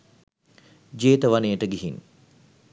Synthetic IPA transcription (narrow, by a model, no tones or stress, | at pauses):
d͡ʒeːt̪əʋanejəʈəɡiɦin